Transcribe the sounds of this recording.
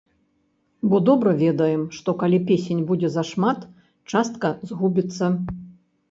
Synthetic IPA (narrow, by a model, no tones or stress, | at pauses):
bɔd̪ɔbɾɐvʲɛd̪ɐjɛmʂt̪ɔkalʲipʲesʲenʲbud͡zʲɛzɐʂmat̪ | t͡ʂast̪kɐzɣubʲit̪sːɐ